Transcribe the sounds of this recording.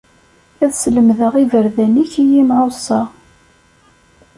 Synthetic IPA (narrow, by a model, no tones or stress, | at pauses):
æðsləmðəʁivəɾðæniçijimʕʊsˤɑ